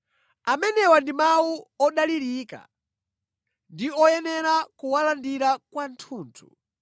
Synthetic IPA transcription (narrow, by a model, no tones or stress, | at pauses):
amɛnɛwandimawuɔɗaliɾika̰ | ndiɔjɛnɛɾakuwalandiɾakwantʰuːntʰṵ